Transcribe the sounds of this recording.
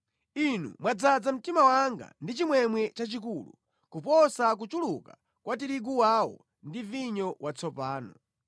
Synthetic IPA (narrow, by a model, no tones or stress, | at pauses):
inṵmwad͡zad͡zam̩timawaŋɡa̰ndit͡ʃimwɛmwɛt͡ʃat͡ʃikuːlṵ | kupɔsak̬ut͡ʃuluka | kwatiɾiɡuwawɔ̰ | ndiviɲɔwat͡sʰɔpaːnɔ